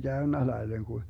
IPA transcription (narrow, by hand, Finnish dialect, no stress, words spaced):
ɡ̊æønːæ lɑileŋ ku